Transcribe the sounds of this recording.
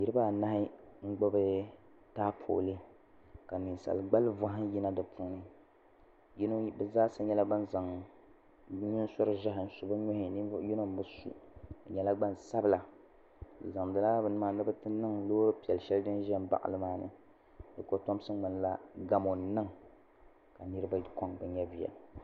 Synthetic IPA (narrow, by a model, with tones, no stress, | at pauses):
ji˦ɾɨ˦baː˦˨na˦hɪ˦ŋ̩˦ɡ͡bo˦bɨ˦ | taː˦pʰo̰ː˨lɨ˦ | ka˨nɨ˨n˨sa̰˨lɡ͡ba˦lva˦ɦɪ˦ji˦na˦dɨ˨pʰu˦nɨ˦ | jn˦bɨ˦˨zaː˦sɨ˦ɲɛ˦la˦ba˦n˦za˨ŋ˦ | ɲi˦n˦sɔ˦ɾɨ˦ʒa˦ɦɪ˨n̩˨su˨˦ba˦ɲo˦hɪ˨˦ji˦no˦m˦bɨ˦sṵ˦˨ɲɛ˦la˦ɡ͡ba˦n˨sa˦bla˨ | za˨ŋdɨ˨la˦bɨ˨nɨ˦ma˨nɨ˦bɨ˦tɨ˦nɨ˦ŋloː˦ɾpi˨ɛ˨lʃɛ˦ldɨ˦nʒɛ˦m˦ba̰˨ʔa̰˨lɨ˦maː˦nɨ̰˨ | dɨ˨ko˦to˦m˦sɨ˦ŋ͡mɨ˨n˨la˦ɡa˨mo˨n˨nɨ˦ŋ | ka˨nɨ˦ɾɨ˦ba˦ko˦ŋbɛ˨ɲɛ˦vi˨ja̰˨